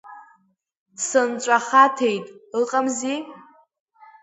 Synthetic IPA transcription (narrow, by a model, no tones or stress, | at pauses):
sɨnt͡ʃʷʼaχatʰe̞jtʼɨqʼamzi